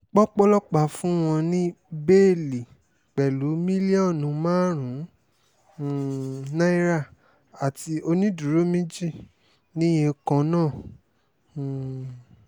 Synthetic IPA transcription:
k͡pɔ˦k͡pɔ˦lɔ˦k͡pa˦˨fũ˦w̃ɔ̃˧nĩ˦ | be˦˨li˨ | k͡pɛ˨lu˨˦mĩ˦li˦ɔ˦˨nũ˨˧˦mãː˦ɾ̃ũ˨˦˨ | nã˦i˦ɾa˦˨ | a˨ti˧o˧nĩ˦du˨ɾo˦mĩ˦d͡ʒi˦˨ | nĩ˦j̃ẽ˧kɔ̃˧nãː˦˨

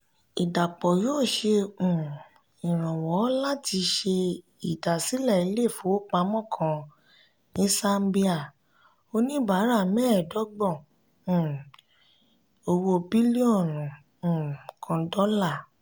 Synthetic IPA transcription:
i˨da˨k͡pɔ˨joː˦˨ʃe˧ũ˨ | ĩ˨ɾ̃ã˨wɔ˨˦la˦ti˧˦ʃe˧ | i˨da˨si˨˦lɛ˦˨i˨˦le˦˨fo˨˦o˦k͡pa˧˦mɔ̃˦˨kʰã˨˧ | nĩ˦sa˦mbi˦a˦˨ | o˧nĩ˦ba˨˦ɾa˦˨mɛ˦˨dɔ˨˦ɡ͡bɔ̃˦˨ | o˧wo˧bi˦li˦ɔ˦˨nũ˨ | ũ˨kʰã˧dɔ˦la˦˨

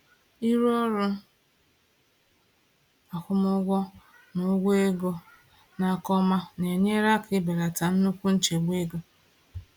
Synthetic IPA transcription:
i˦ɾu˦ɔ˦ɾʊ˦ | a˨kʷʊ˦mʊ˦ɡʷɔ˦ | nʊ˨˦ɡʷe˦ɡo˦ | na˨˦˨kɔ˦ma˦ne˨ɲe˦ɾa˦kɪ˦be˨ɾa˨ta˨n̩˦nu˦kʷu˦n̩˦t͡ʃe˨ɡ͡bʷe˦ɡo˨

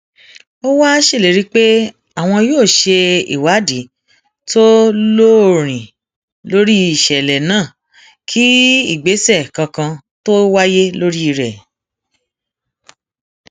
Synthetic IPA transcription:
o˦wa˦ʃe˦˨e˨˦ɾi˧k͡pe˦ | a˦˨w̃ɔ̃˧joː˦˨ʃe˧ḭ˨wa˨˦di˨˦ | to˦lo˦˨ɾ̃ĩ˨ | lo˦ɾi˦i˦˨ʃɛ˨lɛ˨nãː˦˨ | kʰi˦i˦˨ɡ͡be˨˦sɛ˦˨kã˧kã˧ | to˦wa˦je˦lo˦ɾi˦i˦˨ɾɛ˨

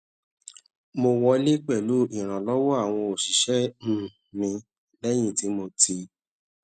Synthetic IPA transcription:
mo˧wɔ˧˦le˦k͡pɛ˦˨lu˦ĩ˨ɾ̃ã˨lɔ˦wɔ˦a˦˨w̃ɔ̃˧o˨ʃi˨ʃɛ˦m̩̃˦˨ | mĩ˧ | lɛ˦j̃ĩ˦˨ti˨˦mo˧tʰi˧

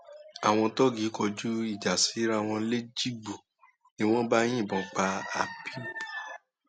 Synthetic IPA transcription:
a˨w̃ɔ̃˧tɔ˦ɡi˨˦kɔ˧d͡ʒu˦i˦˨d͡ʒa˨si˨˦ɾa˧w̃ɔ̃˧le˦d͡ʒi˦ɡ͡bu˨ | ni˦w̃ɔ̃˦ba˦j̃ĩ˦˨bɔ̃˨˦k͡pa˧a˨bi˦bu˨

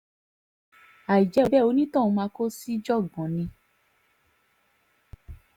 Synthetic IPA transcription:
a˨i˨d͡ʒɛ˨˦o˧bɛ˦˨o˨˧˦nĩ˦tɔ̃˦˨ũ˧mãː˧ko˦si˦d͡ʒɔ˦˨ɡɔ̃˨˦nĩ˧

